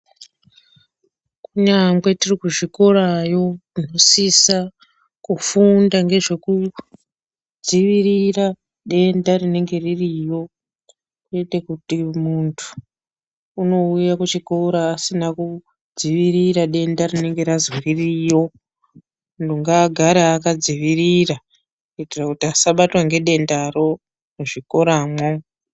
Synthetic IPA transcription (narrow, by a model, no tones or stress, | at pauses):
kuɲaŋɡwe̞tirikuʐiko̞ɾajo̞ino̞sisa | kufundaŋɡe̞ʐe̞ku | d͡ziʋiɾira | ɗe̞ndarine̞ŋɡe̞ririjo̞ | etekutimuntʰu̥ː | no̞ujakut͡ʃikoɾaːsinaku | d͡ziʋiɾiɾaɗe̞ndarine̞ŋɡe̞ɾazwiririjo̞ | nduŋɡaɡʱaɾaːkad͡ziʋiɾira | itirakutiasaɓatwaŋɡe̞ɗe̞ndaɾo̞ | noʐiko̞ɾaːmwo